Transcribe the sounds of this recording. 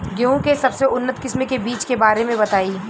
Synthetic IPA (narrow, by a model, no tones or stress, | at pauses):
ɡeũkesɐbseʊnːət̪kɪsmẽkebiːt͡ʃkebaːɾemẽbɐt̪aːiː